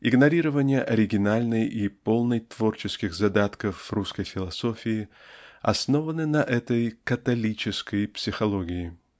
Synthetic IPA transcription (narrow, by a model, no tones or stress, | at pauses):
ɪɡnɐɾʲiɾəvənʲɪjəʔɐɾʲɪɡʲɪnalʲnəjipo̞lˠnəjt̪v̥o̞rt͡ɕɪskʲɪɣzɐd̪at̪kəfruskəjfʲɪlˠɐso̞fʲɪɪ | ɐ̰sno̞vənɨnɐʔɛt̪əjkət̪ɐlʲit͡ɕɪskəjpsʲɪxɐlˠo̞ɡʲɪɪ